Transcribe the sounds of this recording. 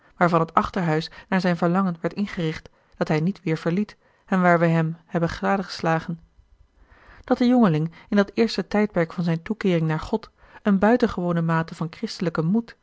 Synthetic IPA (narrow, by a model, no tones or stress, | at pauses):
ʋaːɹvɑnɦətɑχtəɹɦœɥsnaːɹzɛjnvəɹlɑŋənʋɛɹtɪnχərɪχt | d̥ɑtɦɛjnitʋɪːɹv̥əɹlit | ɛnʋaːɹʋɛjɦɛmhɛbəχraːdəχə̥slaːχən | d̥ɑt̚dəjɔŋəlɪŋɪndɑtɪːɹstətɛjt̚pɛɹkfɑnzɛjntukɪːrɪŋnaːɹχɔt | ənbœɥtənχəʋownəmaːtəvɑnkrɪstələkəmut